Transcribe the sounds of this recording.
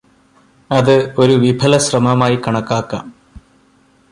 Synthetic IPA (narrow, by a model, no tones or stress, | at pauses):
ɐðɨo̞ɾuʋibʱɐlɐɕrɐmɐmaːjikɐɳɐkːaːkːa̰ːm